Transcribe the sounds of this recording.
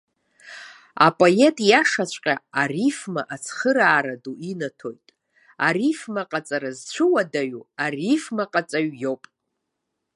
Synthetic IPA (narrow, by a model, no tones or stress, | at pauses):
a̰pʼoe̞tʼjaʂat͡ɕʷʼqʲʼaarifmaʔat͡sʰχəɾaːɾaduʔinatʰo̞jtʼ | arifmaqʼat͡sʼaɾazt͡ɕʷʰɨwadaɥuarifmaqʼat͡sʼaɥjo̞wpʼ